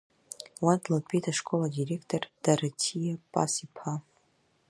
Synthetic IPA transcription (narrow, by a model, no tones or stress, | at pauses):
wandʰlapʰʼejtʰaʂkʼoladirekʰtʰʼord̥aɾatʰijapʼa̰sipʰa